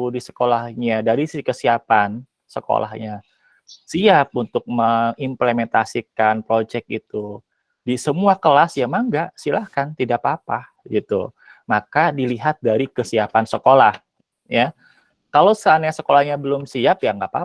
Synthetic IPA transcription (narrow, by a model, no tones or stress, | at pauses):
disə̥kolahɲadaɾiskəsiapan | səko̰lʔa̰hɲa | siap̚unt̪ʊk̚məŋimplement̪asikanpɾod͡ʒɛk̚ḭt̪u | disəmuakəlasjamaŋɡaʔsilahkant̪idaʔpapah | ɡit̪u | makadiliɦat̪̚daɾikəsiapansəkolah | ja | kalowsəanɲasəkolahɲabəlʊmsiap̚jaŋɡaʔpa